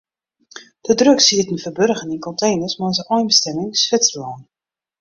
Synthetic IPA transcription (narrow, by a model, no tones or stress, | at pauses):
d̥ədrøksidətən̩fərbørɣəninkɔntʰeːnəsmasəʔɔjnbəstɛmɪŋsfɪtt͡səlɔːn